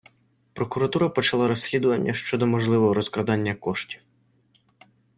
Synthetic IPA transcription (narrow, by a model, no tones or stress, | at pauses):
pɾɔkʊɾɐt̪uɾɐpɔt͡ʃɐlˠɑɾɔsʲlʲid̪ʊʋɐnʲːɐʃt͡ʃɔd̪ɔmɔʒlˠɪʋɔɦɔɾɔskɾɐd̪ɑnʲːɐkɔʃtʲi̥w